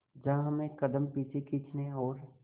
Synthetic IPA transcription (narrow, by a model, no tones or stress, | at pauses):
d͡ʒɐɦãɦɐmẽkɐd̪əmpiːt͡ʃʰekʰiːt͡ʃneɔːɾ